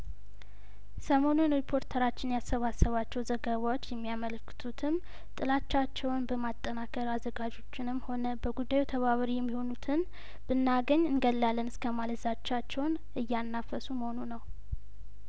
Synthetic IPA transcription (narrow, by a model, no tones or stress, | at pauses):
səmo̞nunɾipʰo̞ɾt̪ʰəɾat͡ʃːɪnjasːəβasəβat͡ʃːɛwzəɡəβawot͡ʃːjɛmːijamələkːɨ̥t̪ʰut̪ʰɨm | t̪ʼɨlat͡ʃːat͡ʃːɛwnbəmat̪ʼːənakʰəɾazːəɡad͡ʒo̞t͡ʃːɪnɨmːho̞nəbəɡud̪ːajut̪ʰəβaβɾijɛmːiho̞nut̪ʰɨn | b̥ɨnːaɡəɲːɨnɡəlːalːənɨskʰəmaləzat͡ʃːat͡ʃːɛwn | ʔɨjːanːafəsuməhonunəw